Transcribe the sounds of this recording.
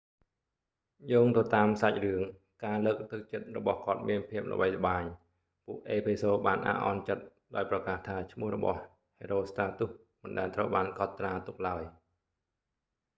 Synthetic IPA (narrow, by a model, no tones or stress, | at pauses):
joːŋt̪ət̪aːmsac̚rɨəŋ | kaːləːk̚t̪ɨk̚t͡ɕət̪̚rɔ̰ɓɑhkŏət̪̚miənpʰiəp̚lə̰ɓəjlə̆ɓaːɲ | puəkʔeːpʰesoːɓaːnʔa̰ːʔɑ̰nt͡ɕət̪̚ | ɗaɔjprɑkaːht̪ʰaːt͡ɕʰmʊəhrɔɓɑ̰h | heːɾoːst̪aːt̪uh | mɨnɗaɛlt̪rəwɓaːnkɑt̪ːraːt̪uk̚laəj